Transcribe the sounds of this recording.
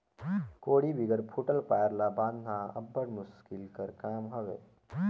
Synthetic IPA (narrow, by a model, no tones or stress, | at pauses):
koːɽibʱiɡəɾpʰuʈəlpaːjəɾlabãːd̪nãɐ̰bːəɽmʊskɪlkəɾkaːmɦɐʋḛː